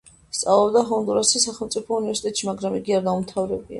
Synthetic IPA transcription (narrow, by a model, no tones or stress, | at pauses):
st̪sʼalˠɔbd̪aɦɔnd̪uɾasisaχɛlˠmt̪sʼipʰɔunivɛɾsi̥t̪ʼɛt̪ʼʃimaɡɾamiɡiaɾɡ̪aumt̪ʰavɾɛbia̰